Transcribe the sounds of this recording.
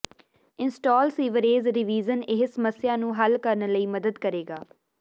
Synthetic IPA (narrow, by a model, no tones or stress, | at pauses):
ɪnsʈɔːlsiːʋəɾeːzɾɪʋiːzənɪɦsəməsɪjãːnũːɦəlkəɾnləiːməd̪əd̪kəɾeːɡaː